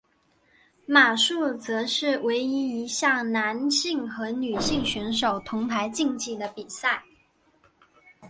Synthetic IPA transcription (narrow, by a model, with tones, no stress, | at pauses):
ma˨˩ʂu˥˩t͡sɤ˧˥ʂɻ̩˥˩we˧˥ɪi˧˥i˧˥ɕjɑ˥˩ŋna˧˥nɕi˥˩ŋxɤ˧˥ny˨˩ɕi˥˩ŋɕɛ˧˥nʂo˨˩ʊt̪ʰʊ˧˥ŋpʰa˧˥ɪt͡ɕi˥˧ŋt͡ɕi˥˩d̪ə˩pi˨˩sa˥˩ɪ